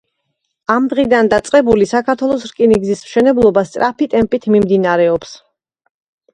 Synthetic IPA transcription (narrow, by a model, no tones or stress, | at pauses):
amd̪ʁid̪and̪at̪sʼqʼɛbulisakʰat̪ʰwɛlˠɔsɾkʼiniɡzismʃɛnɛblˠɔbast̪sʼɾʔapit̪ʼɛmpʼit̪ʰmimd̪inaɾɛɔps